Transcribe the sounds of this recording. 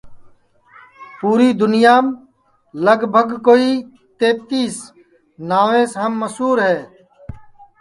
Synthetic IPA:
puːɾiːd̪ʊnɪjaːm | ləɡbʱəɡkoːiː | t̪eːp̚t̪iːs | naːʋẽːsɦəmːəsuːɾɦɛː

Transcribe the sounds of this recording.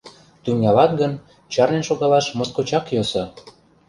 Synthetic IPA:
t̪ymjɑlɑt̪̚ɡən | t͡ɕɑrnenʃoɣɑlɑʃmoskot͡ɕɑkjosɤ̆

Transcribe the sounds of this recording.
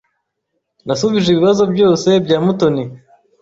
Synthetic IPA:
nasuβiʒiβiβazo̞bjo̞ːse̞bɟaːmuto̞ni

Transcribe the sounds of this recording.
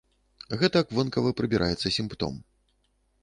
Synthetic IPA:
ɣɛt̪ɐkvɨnkɐvɐpɾɨbʲiɾʔajɛt̪sːɐsʲimpt̪ɔ̰m

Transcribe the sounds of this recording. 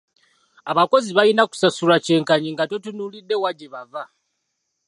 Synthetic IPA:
aβako̞ziβajinaku̥sasulace̞ːŋkaɲiŋɡatotunuːlidːe̞waɟeβava

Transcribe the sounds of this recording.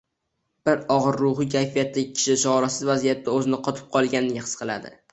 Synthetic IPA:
b̥ɪɾɒʁɨɾːʊɦɨkʲʰajfijat̪ʰːɪɡʲɪkʲʰɪ̥ʃɪt͡ʃɒɾasɪzvazijat̪ːaɵzɪnɪqʰɒt̪ʰɪ̥p̚qʰɒlˠɡʲanɪɡʲaχɨ̥sqʰɨlˠa̰d̪ɪ̰

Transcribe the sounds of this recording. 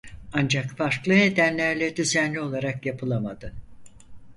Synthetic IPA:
and͡ʒakfaɾklˠɯne̞d̪ænlʲæɾlʲɛd̪yzænlʲio̞lˠaɾakjapʰɯlˠamad̪ɯ

